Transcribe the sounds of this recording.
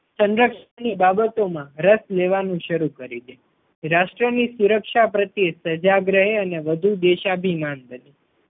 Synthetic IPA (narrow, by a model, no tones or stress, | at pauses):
sə̃nɾəkʃənibabət̪omãɾəsleʋanũʃəɾukəɾid̪e | ɾaʃʈɾənisuɾəkʃapɾət̪jesəd͡ʒaɡɾəɦeəneʋəd̪ʱud̪eʃabʱimanbəni